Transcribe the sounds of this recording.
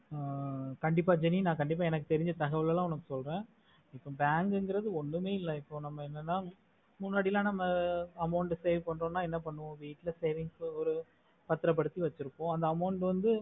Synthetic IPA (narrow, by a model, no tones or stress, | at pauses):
kɐɳɖɪpːaːd͡ʒɛninãːkɐɳɖɪp̬ːaːɛnɐkːɯt̪ɛɾɪɲd͡ʒɐt̪ɐɣɐʋɐɭɐlãːɔnɐkːɯsɔlɾẽː | ɪpːõbaːŋɡŋɡɪɾɐðɯɔɳːɯmeːɪlːɐɪpːonɐmːɐɛnːɐnːaː | mʊnːaːɽɪlãːnɐmːɐɐmɐʊɳʈseːʋpɐɳːɾõːnaːɛnːɐpɐɳːɯʋõːʋiːʈːlɐseːʋɪŋɡsɔɾɯ | pɐt̪ːɯɾɐp̬ːɐɽɯt̪ːiʋɐt͡ʃːɪɾɯkːõːɐnd̪ɐːmɐʊɳʈʋɐnd̪ɯ